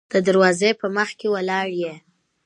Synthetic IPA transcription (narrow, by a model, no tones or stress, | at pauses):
d̪̥əd̪aɾwɑzepəməxkewəlɑɽje